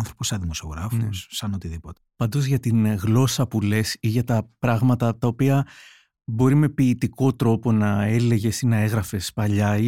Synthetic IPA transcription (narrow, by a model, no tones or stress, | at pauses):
ɐnθɾo̞posɐðimo̞sio̞ɣɾɐfosːɐno̞t̪iðipot̪e̥pɐnd̪o̞zʝɐt̪inɣlo̞sɐpule̞siʝɐt̪ɐpɾɐɣmɐt̪ɐt̪ɐopiɐ | bo̞ɾime̞piːt̪iko̞t̪ɾo̞po̞nɐe̞le̞ʝe̞sinɐe̞ɣɾɐfe̞spɐʎɐi